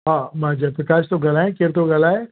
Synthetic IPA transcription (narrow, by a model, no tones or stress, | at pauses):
ɦamãd͡ʒapɾɐkaːʃt̪oɡɐlaɦɛ̃kɪɾt̪oɡɐlaɦɛ